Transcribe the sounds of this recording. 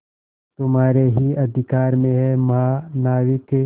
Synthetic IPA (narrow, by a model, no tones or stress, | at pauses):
t̪ʊmɦaːɾeɦiɐd̪ʱɪkaːɾmẽɦɛmaːnaːwɪk